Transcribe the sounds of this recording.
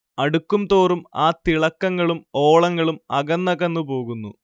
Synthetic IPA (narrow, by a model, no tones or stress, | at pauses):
ɐɽukːumt̪o̞ːrumaːt̪iɭɐkːɐŋːɐɭumo̞ːɭɐŋːɐɭumɐɣɐnːɐɣɐnːupo̞ːɣunːṵ